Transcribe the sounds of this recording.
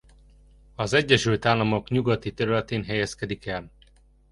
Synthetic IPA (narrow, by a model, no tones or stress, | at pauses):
ɒzɛɟːɛʃylt̪aːlːɒmo̞kɲuɡɒt̪it̪ɛɾylɛt̪eːnɦɛjɛskɛd̪ikɛl